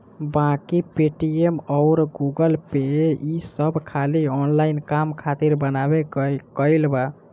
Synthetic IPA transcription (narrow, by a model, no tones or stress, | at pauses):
bãkipeʈiemɔʊɾɡuɡəlpeisəbʱkʰaliɔnlainkamkʰat̪iɾbənabekəɪlba